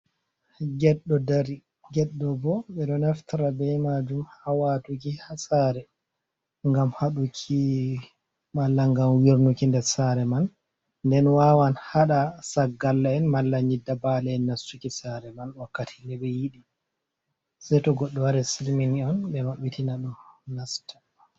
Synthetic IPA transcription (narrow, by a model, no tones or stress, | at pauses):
ɡɛɗːɔdaɾi | ɡɛɗːɔbɔɓɛɗɔnaftaɾabɛmad͡ʒumhawatuk̬ihasaɾɛ | ŋɡamhaɗukʰi | malːaŋɡamwiɾnukindɛɾsaɾɛman | ndɛnwawanhaɗasaɡːalːaɛnmalːaɲidːabalɛːnːastukisaɾɛmanwakːatʰi̥nɛɓɛjiɗi | sajtɔɡɔɗːɔwaɾɛsilminiɔnɓɛwaɓitinaɗumnastḁ